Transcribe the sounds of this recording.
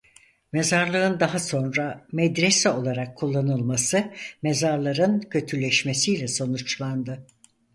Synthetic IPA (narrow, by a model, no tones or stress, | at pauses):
mezaɾlˠɯɯnd̪aɦaso̞nɾamɛd̪ɾesɛo̞lˠaɾakʰːulˠːanɯlˠmasɯmezaɾlˠaɾɯncʰø̞t̪ʰylʲɛʃmesijlʲɛso̞nut͡ʃlˠand̪ɯ